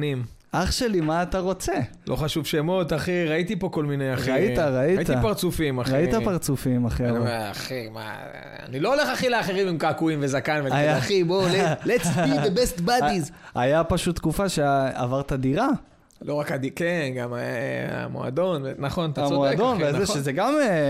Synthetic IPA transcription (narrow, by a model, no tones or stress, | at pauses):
nim | ʔaχʃelimaːt̪aʁo̞t͡se̞ | lʔo̞χaʃuvʃemo̞t̪aχiʁait̪ipo̞ko̞lminejaʁaiaʁait̪iapaʁt͡sufimaʁit̪apaʁt͡sufimaχiaaaχima̰ | a̰nilooleχaχileaχeʁimimkakuimvezakanveajaaχibolelet͡sidebest̪baiz | ajapaʃut̪ːkufaʃeavaʁt̪ad̪iʁa | loʁakadikenɡamaa̰mo̰a̰d̪o̞nvenaχo̞nat̪aomoad̪onveazeʃezeɡame